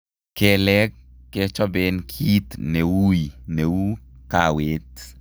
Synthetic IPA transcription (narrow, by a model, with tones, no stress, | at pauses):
ke˦lɛ˦kːe˦t͡ʃɔ˦benkʰi˦t̪newu˦jne˨wu˦kawe˦t̪